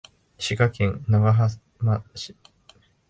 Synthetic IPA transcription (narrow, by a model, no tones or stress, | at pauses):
ɕikakẽnnaɡaɦa | maɕi̥